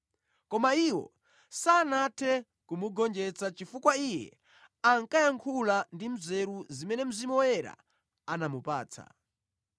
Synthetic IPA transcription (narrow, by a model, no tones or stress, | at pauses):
kɔmaiwɔ̰ | sanatʰɛ | kumuɡɔnd͡ʒɛt͡sat͡ʃifukwaijɛ̰ | aŋkajaŋkʰulandim̩zɛɾuzimɛnɛm̩zimɔjɛɾa̰ | anamupa̰ːt͡sʰa̰